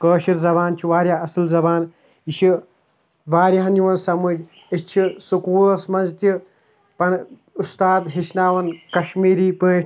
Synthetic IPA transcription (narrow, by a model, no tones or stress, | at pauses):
kəːʃiɾzɐβaːnt͡ʃʰiʋaːɾʲjaːɐsɨlzɐbaːn | iʃʰi | ʋaːɾʲjɐɦɐnjiʋɐnsɐmɨd͡ʒ | et͡ʃʰisukuːlɐsmɐnzt̪ʲi | pɐn | ust̪aːd̪ɦit͡ʃʰnaːʋɐnkɐʃmiːɾiːpeːʈʰʲ